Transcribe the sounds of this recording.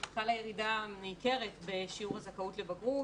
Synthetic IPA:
kalajeʁidameike̞ʁetbe̞ʃiuʁazakautle̞baɡʁu

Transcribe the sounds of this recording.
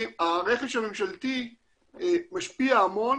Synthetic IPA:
aʁeχeʃamemʃalt̪i | maʃpiaamo̞n

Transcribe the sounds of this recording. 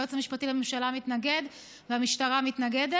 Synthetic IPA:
ot͡samiʃpat̪ilamemʃalamit̪naɡe̞d̪ | veamiʃtaʁamit̪naɡed̪e

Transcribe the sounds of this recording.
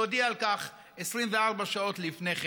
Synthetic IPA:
odiaalkaχ | esʁimveaʁbaʃao̞tlifne̞χ

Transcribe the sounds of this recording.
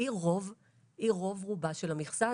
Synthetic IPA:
iʁov | ʔiʁo̞vʁubaʃelamiχsa

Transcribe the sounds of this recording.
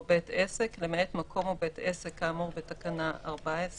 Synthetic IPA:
beteseklemetmakʰo̞mobetesekːaːmuʁbetakanaa̰ʁbaes

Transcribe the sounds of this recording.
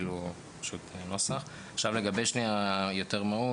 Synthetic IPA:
lu | pḁʃut̪no̞saχ | aχʃavle̞ɡabejʃniajo̞t̪eʁmau

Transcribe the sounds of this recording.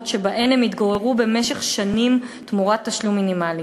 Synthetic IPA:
tʃe̞baʔenemit̪ɡoʁeʁube̞meʃeχʃanimtmuʁat̪ːaʃlumːinimali

